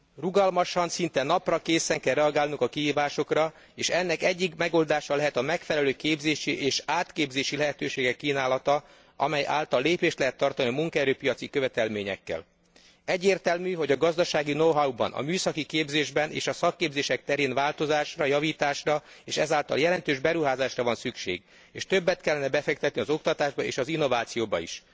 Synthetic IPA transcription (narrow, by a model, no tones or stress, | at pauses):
ruɡɒlmɒʃɒnsint̪ɛnɒprɒkeːsɛŋkɛrɛɒɡaːlnuŋkɒkiɦiːvaːʃo̞krɒ | eːʃɛnːɛkɛɟːikmɛɡo̞ld̪aːʃɒlɛɦɛt̪ɒmɛkfɛlɛløːkeːbzeːʃiʔeːʃaːt̪keːbzeːʃilɛɦɛt̪øːʃeːɡɛkːiːnaːlɒt̪ɒ | ɒ̰mɛjʔa̰ːlt̪ɒlːeːpeːʃt̪lɛɦɛt̪ːɒrt̪ɒniɒmuŋkɛɾøːpijɒt̪sikø̞vɛt̪ɛlmeːɲɛ̰kːɛ̰l | ɛɟːeːrt̪ɛlmyɦo̞ɟɒɡɒzd̪ɒʃaːɡinoɦaubɒ̰nʔɒ̰myːsɒkikeːbzeːʒbɛnḛːʃɒsɒkːeːbzeːʃɛk̚t̪ɛɾeːnvaːlt̪o̞zaːʃrɒjɒviːt̪aːʃrɒ | eːʃɛzaːlt̪ɒ̰ljɛlɛn̪t̪øːʒbɛɾuɦaːzaːʃrɒvɒnsykʃḛːɡ | eːʃt̪øbːɛt̪kɛlːɛnɛbɛfɛk̚t̪ɛt̪niɒzo̞kt̪ɒt̪aːʒbɒḛːʃɒzinːo̞vaːt̪sijoːbɒḭʃ